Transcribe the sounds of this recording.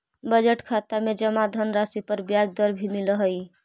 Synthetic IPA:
bəd͡ʒeʈkʰat̪amed͡ʒəmad̪ʱənɾasipəɾbjad͡ʒd̪əɾbʱimiləɦəj

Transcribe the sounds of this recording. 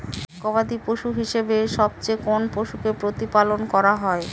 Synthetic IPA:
koβad̪ipoʃuɦiʃebeʃɔb̚t͡ɕekonpoʃukepɾot̪ipalonkɔɾaɦɔe

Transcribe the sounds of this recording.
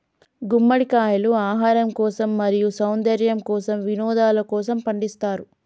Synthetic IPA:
ɡumːɐɽikaːjɐluaːɦaːɾɐmkɔːsɐmːɐɾijusɐwnd̪ɐɾjɐmkɔːsɐmʋinɔːd̪aːlɐkɔːsɐmpɐɳɖist̪aːɾu

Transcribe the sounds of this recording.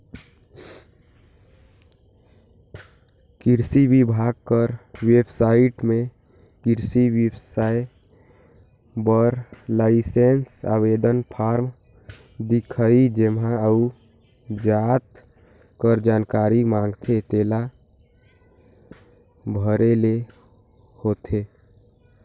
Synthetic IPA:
kiɾsibibʱaɡ̚kəɾwebsaiʈmẽ | kiɾsiwəbsae | bəɾlaɪsensa̰bed̪ənpʰaːɾm | d̪ikʰəid͡ʒemɦãəu | d͡ʒat̪ | kəɾd͡ʒaːnkaːɾimãːŋɡt̪ʰet̪eːla | bʱəɾele | hot̪ʰe

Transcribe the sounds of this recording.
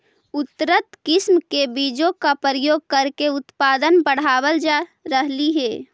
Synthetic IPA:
ʊt̪ɾət̪kɪsmkebiːd͡ʒõkapəɾjoːɡ̚kəɾkeʊt̪paːd̪ənbəɽ̤aːwəld͡ʒaɾəɦliɦɛː

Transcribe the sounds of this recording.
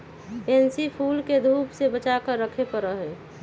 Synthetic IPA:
pensipʰuːlked̪ʱuːpsebət͡ʃakəɾːəkʰepəɾəɦɛ

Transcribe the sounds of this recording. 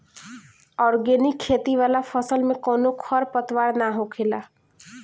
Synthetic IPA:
ɔːɾɡenikʰːeːt̪iʋaːlafəsəlmẽkɔːnokʰɔɾpət̪waːɾnaɦokʰeːlaː

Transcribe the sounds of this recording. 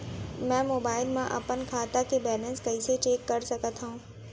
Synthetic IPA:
mɛ̃ːmoːbaːɪlmãʔɐ̰pənkʰaːt̪akebɛːlə̃nskɐiset͡ɕeːkːɐɾsɐkət̪ɦaũː

